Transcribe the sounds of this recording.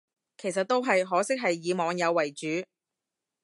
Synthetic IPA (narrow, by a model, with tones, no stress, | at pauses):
kʰe˨˩js̬ɐ˨t̪̚ːo˥wɦɐ˨jɦɔː˨˥sɪ˥k̚ɦɐ˨jːiː˨˧mɔː˨˧ŋjɐ˨˧wːɐ˨˩jt͡ʃyː˨˥